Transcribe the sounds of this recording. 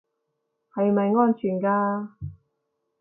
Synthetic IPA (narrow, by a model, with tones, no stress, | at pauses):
hɐ˨jmɐ˨jŋɔː˥nt͡ʃʰyː˨˩nkaː˧